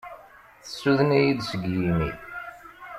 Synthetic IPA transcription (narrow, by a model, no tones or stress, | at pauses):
θəsːuðənijiðsəɡjimi